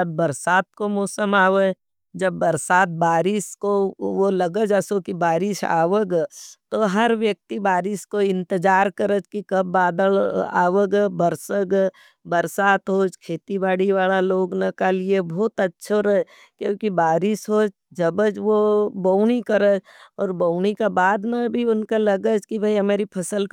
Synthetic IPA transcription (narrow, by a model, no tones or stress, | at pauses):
ɐbːəɾsaːt̪̚komɔːsəmaːʋə | d͡ʒɐbːɐɾsaːt̪̚baːɾɪʃkoʋolɐɡəd͡ʒəsokibaːɾɪʃa̰ːʋəɡət̪oɦɐɾʋjək̚t̪ibaːɾɪʃkoɪ̃nt̪ɪd͡ʒaːɾkɐɾəd͡ʒkikɐbːaːd̪əla̰ːʋəɡɛbəɾsəɡ | bəɾsaːt̪ɦoːd͡ʒkʰeːt̪ibaːɽiʋaːlaloːɡnɐkaliebʱɔːt̪ɐtːʃʰoɾɐɦ | kjõːkibaːɾɪʃɦoːd͡ʒ | d͡ʒɐbəd͡ʒʋobəʊñikɐɾəd͡ʒ | ɔːɾbəʊnikabaːd̪nabʱiʊnkalɐɡəd͡ʒkibʱɐiɦɐmeːɾipʰɐsəl